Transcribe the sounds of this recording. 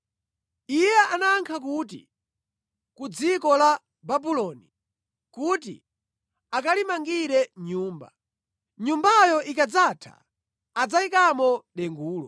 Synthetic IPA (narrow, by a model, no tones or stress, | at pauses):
ijɛanaːŋkʰak̬uːt̬ḭ | kud͡zikɔla | babulɔni | kuːt̬ḭ | akalimaŋɡiɾɛɲuːmba̰ | ɲumbajɔʔikad͡zatʰa̰ | ad͡zaikamɔɗɛŋɡuːlɔ